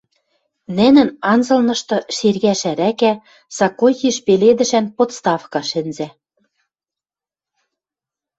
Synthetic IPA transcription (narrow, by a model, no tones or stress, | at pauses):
nɘ̆nɘ̆nɑnzɤ̆lnɤ̆ʃt̪ɤ̆ʃerɣæʃæɾækæ | sɑkojiʃpeled̪ɘ̆ʃænpot̪st̪ɑfkɑʃɘ̆nzæ